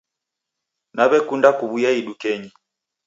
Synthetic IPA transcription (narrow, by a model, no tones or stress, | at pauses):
naβɛkundakuβujaiɗukɛɲi